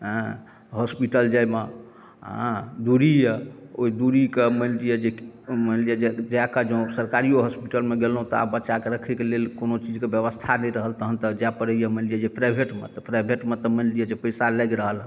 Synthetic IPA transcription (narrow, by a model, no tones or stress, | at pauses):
ɦə̃ | ɦɔspiʈəld͡ʒajme | ɦãd̪uɾijəoid̪uɾikemənlijəd͡ʒemənlijad͡ʒed͡ʒakad͡ʒõsəɾkaɾioɦɔspiʈəlmeɡelɦũt̪ɔa̰bbətːʃakeɾəkʰɛkelelkonot͡ʃid͡ʒkebjəβəst̪ʰanɛjɾəɦəlt̪əɦənt̪əd͡ʒapəɾəjəmənlijad͡ʒepɾajbʱeʈmḛt̪ɔpɾajbʱeʈmet̪əmənlijəd͡ʒepəsalɛɡɾəɦəl